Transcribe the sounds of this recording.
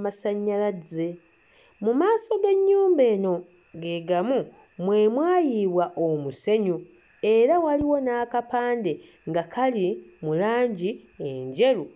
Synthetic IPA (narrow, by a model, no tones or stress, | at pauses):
masaɲːalaze̞ | mumaːso̞ɡe̞ɲːuːmbe̞ːno̞ | ɡe̞ɡamu | mwe̞ːmwaːjiβwaʔomuse̞ɲu | e̞ɾawaliwo̞naːkapaːnde̞ | ŋɡakʰalimulaːɲɟi | eɲɟe̞lu